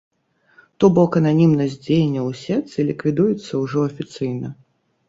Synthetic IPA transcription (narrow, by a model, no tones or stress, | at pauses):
t̪ɔbɔkɐnanʲimnɐzʲd͡zʲejnʲːɐwsʲɛt̪sɨlʲikvʲid̪ujut̪sːɐwʐɔɐfʲit̪sɨjnɐ